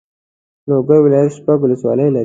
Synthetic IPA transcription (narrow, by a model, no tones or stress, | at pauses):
loɡəjwɪlɑjat̪ʃpaɡwʊləswɑ̰ləjlaɾ